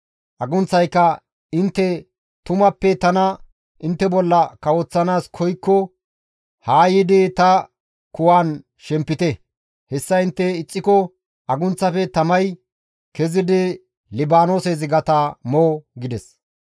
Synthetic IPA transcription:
ʔɐɡʊnt͡sːɐjkːɐ | ɪnt̪ːɛ | t̪ʊmɐpːɛt̪ɐnɐ | ʔɪnt̪ːɛbɔlːɐkɐwɔt͡sːɐnaːskʰɔjkːɔ | haːjɪd̪ɪt̪ɐ | kʊwaːn | ʃɛmpːɪt̪ɛ | hɛsːɐɪnt̪ːɛɪt͡sʼːɪkɔ | ɐɡʊnt͡sːɐfɛt̪ɐmɐj | kɛzɪd̪ɪ | lɪbaːnoːsezɪɡɐt̪amoːɡɪd̪ɛs

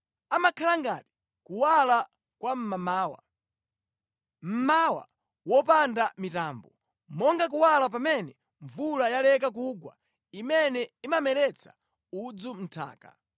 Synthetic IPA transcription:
amakʰalaŋɡa̰ːti̥ | kuwala | kwam̩mamaːwa̰ | m̩mawa̰ | wɔpandamitaːmbɔ | mɔŋɡak̬uwalap̬amɛnɛ | ɱvulajalɛkak̬uɡwa̰ | imɛnɛimamɛlɛt͡sʰḁ̰ | ud͡zum̩tʰa̰ːka̰

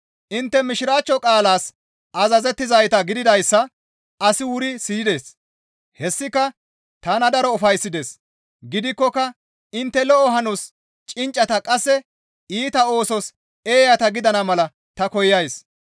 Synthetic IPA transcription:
ʔɪnt̪ːɛmɪʃɪɾaːt͡ʃːɔkʼaːlaːs | ɐzɐzɛt̪ːɪzɐjt̪ɐɡɪd̪ɪd̪ɐjsːɐ | ɐsɪwʊɾɪsiːd̪e̞ːs | hɛsːɪkːɐ | t̪ɐnɐd̪ɐɾɔːfɐjsːɪd̪eːs | ɡɪd̪ɪkːɔkːɐ | ɪnt̪ːɛlɔʔɔɦɐnus | t͡ʃʼɪnt͡ʃʼːɐt̪ɐkʼɐsːɛ | iːt̪ɐo̞ːsɔs | eːjɐt̪ɐɡɪd̪ɐnɐmɐlɐ | t̪ɐkɔjːɐjs

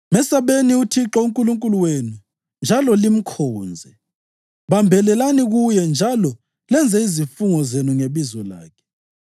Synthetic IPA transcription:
mɛsaβeniutʰiǁɔuŋkʼuluŋkʼuluwenu | nd͡ʒʱalɔlim̩kʰɔːnd͡zʱɛ | βambʱɛlɛlaniɣujɛnd͡ʒʱalɔ | lɛnd͡zʱɛizifuŋɔzenuŋeβizɔla̰ːkʰɛ̥

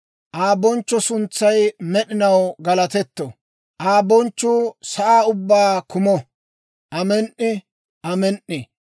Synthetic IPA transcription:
ʔaːbɔnt͡ʃːɔsʊnt͡sːɐjmɛɗɪnɐwɡɐlɐt̪ɛt̪ːɔ | ʔaːbɔnt͡ʃːʊːsɐʔaːʊbːaːkʊmɔ | ʔɐmɛnʔːɪ | ʔɐmɛnʔːɪ

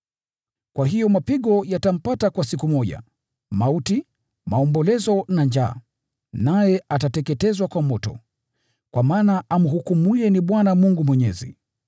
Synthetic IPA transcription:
kwaɦijɔmapiɠɔjatam̩patakwasikumɔʄa̰ | mauti | maɔmbɔlɛzɔnand͡ʒa̰ː | najɛatatɛkɛtɛzwakwamɔtɔ̰ | kwamaːnaam̩ɦukumuɛniɓwanamuŋɡumwɛɲɛzḭ

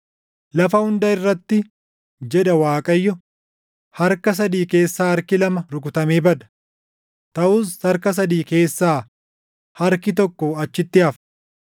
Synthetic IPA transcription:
lɐfɐhʊnd̪ɐɪrːɐt̪ːɪ | d͡ʒɛᶑɐwaːkʼɐjːɔ | hɐɾkɐs̬ɐd̪iːke̞ːsːaːɐɾkɪlɐmɐɾʊkʊt̪ɐmeːbɐᶑ̪ɐ̥ | t̪ɐʔʊsɐɾkɐs̬ɐd̪iːke̞ːsːaː | hɐɾkɪt̪ɔkːɔɐt͡ʃːɪt̪ːɪɐf

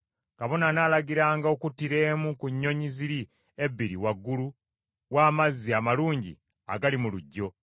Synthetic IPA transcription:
kaβo̞nanaːlaɡiɾaːŋɡao̞kutːiɾe̞ːmukuɲːo̞ɲiziɾi | ebːiɾḭwaɡːulu | waːmazːiamaluːɲɟḭ | a̰ɡalimuluɟːo̞

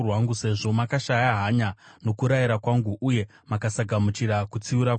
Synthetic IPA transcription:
rwaŋɡuse̞ʐo̞makaʃajaɦaɲano̞kuɾajiɾakwaŋɡuʔuje̞ | makasaɡʱamut͡ʃiɾakut͡siuɾak

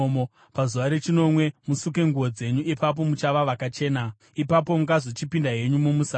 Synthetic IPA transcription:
mo | pazuʋaɾe̞t͡ʃino̞mwe̞musuk̬e̞ŋɡuo̞d͡ze̞ɲuʔipap̬o̞mut͡ʃaʋaʋakat͡ʃe̞ːna | ipap̬o̞muŋɡazot͡ʃipindaɦe̞ɲumumusa

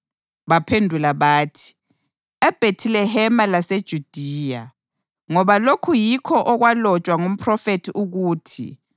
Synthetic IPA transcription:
βapʰendʱulaβaːtʰi̥ | ɛb̥ʱetʰilɛɦɛmalased̥ʒ̥ʱud̥ʱiːja | ŋɔβalokʰujikʰɔʔɔɣwalɔt͡ʃʼwaŋum̩pʰʼrɔfetʰiʔuɣuːtʰḭ

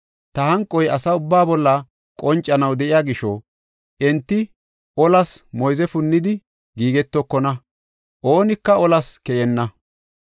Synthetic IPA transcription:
t̪ɐhɐŋkʼːɔjɐsɐʊbːaːbɔlːɐ | kʼɔnt͡ʃʼːɐnɐwd̪ɛʔɪjaːɡɪʃɔ | ʔɛnt̪ːɪ | ʔɔlɐsmɔjzɛfʊnːɪd̪ɪ | ɡiːɡɛt̪ːɔkːɔnɐ | ʔoːnɪkːɐɔlɐskɛʔɛnːɐ

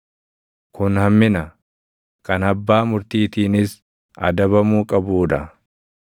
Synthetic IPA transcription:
kʊnhɐmːɪnɐ | kʰɐnɐbːaːmʊɾt̪iːt̪iːnɪs | ɐ̰d̪ɐβɐmuːkʼɐbuːᶑɐ

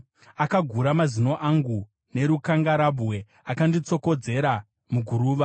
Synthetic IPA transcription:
akaɡʱuɾamazino̞ʔaŋɡu | ne̞ɾukaŋɡaɾabwe̞ | akandit͡so̞ko̞d͡ze̞ɾa | muɡʱuɾuːʋa

